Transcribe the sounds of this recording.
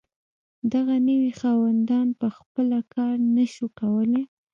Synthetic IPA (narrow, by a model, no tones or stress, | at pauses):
d̪aɣanəwixɑwand̪ɑnpəxpəlakʰɑɾnaʃukawəle